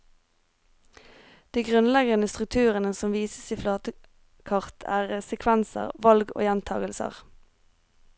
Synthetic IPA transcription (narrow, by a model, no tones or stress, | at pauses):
d̪̥iːɡʁʉnlɛɡənəst̪ʁʉk̚t̪ʰʉːʁənəsɔmʋiːsə̥siːflɑːt̪ə | kʰɑʁt̪ʰæ̰ːʁəsɛkʰʋænsə̰ʁʋɑlɡo̰ːjɛnt̪ʰɑ̰ːɡəlsə̰ʁ